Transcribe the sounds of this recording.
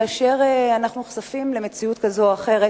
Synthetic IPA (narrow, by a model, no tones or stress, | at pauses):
aːʃe̞ʁeanaχnuχsafimle̞met͡siut̪kazo̞aχe̞ʁe